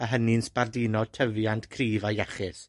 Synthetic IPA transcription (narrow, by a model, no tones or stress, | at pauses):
əɦənɪnsb̥ardɪːnɔd̚tʰəvjantʰkʰriːvajaχɪs